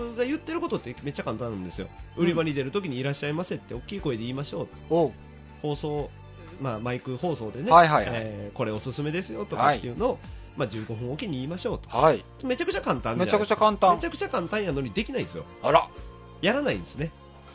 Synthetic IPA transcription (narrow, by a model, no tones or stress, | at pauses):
ɯɡajɯ̟t̪ːe̞ɾɯ̟ko̞t̪o̞t̪ːe̞me̞t͡ɕːakãnt̪ãnɯ̃nd̪e̞sɨjo̞̰ɯ̟ɾʲimaɾʲid̪e̞ɾɯ̟t̪o̞kʲiɲ̟iːɾaɕːaimaset̪ːe̞o̞kʲːiːko̞ed̪e̞iːmaɕo̞ːt̪o | ho̞ːso̞ː | maːmaikɯ̟ho̞ːso̞ːd̪e̞ne̞aiɦajeko̞ɾe̞o̞sɨsɨme̞d̪e̞sɨjo̞t̪o̞katːeɯ̟no̞ːmad͡ʑɨːɡo̞ɸɯ̟̃o̞kʲiɲ̟iiːmaɕo̞ːt̪o̥kai | me̞t͡ɕakɯ̟t͡ɕakãnt̪ãnmeakɯ̟t͡ɕakãnt̪ãmet͡ɕakɯ̟t͡ɕakãnt̪ãɰ̃janoɲ̟id̪e̞kʲinaĩd̪esɨjo̰ɾa | jaɾanaĩnd̪esɨne̞